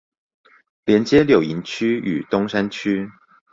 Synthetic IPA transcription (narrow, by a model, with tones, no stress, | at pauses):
ljɛ˨˧˥nt͡ɕjɛ˥ljo˨˩ʊi˧˦nt͡ɕʰy˥y̰˨˩t̪ʊ˥ŋʂa˥nt͡ɕʰy˥